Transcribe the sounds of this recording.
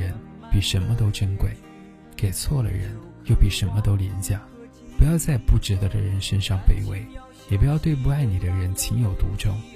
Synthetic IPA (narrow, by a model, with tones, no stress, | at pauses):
ə˧˥npi˨˩ʂə˧˥nmə˧t̪o˥ʊʈ͡ʂə˥nkwe˥˩ɪ | ke˨˩ɪt͡sʰwɔ˥˩lə̰˩ɻə̰˧˥n | jo˥˩ʊpi˨˩ʂə˧˥nmə˧t̪o˥ʊli˧˥nt͡ɕja˥˩ | pu˧˥jɑ˥˧ʊt͡sa˥˧ɪpu˥˩ʈ͡ʂɻ̩˧˥d̪ə˧d̪ə̰˧ɻə˧˥nʂə˥nʂɑ˥˩ŋpe˥˩ɪwḛ˥˩ɪ | jɛ˨˩p̬u˧˥jɑ˥˧ʊt̪we˥˧ɪp̬u˥˧a˥˩ɪni˨˩d̪ə˦ɻə˧˥nt͡ɕʰi˧˥ŋjo˨˩ʊt̪ṵ˧˥ʈ͡ʂʊ̰˥ŋ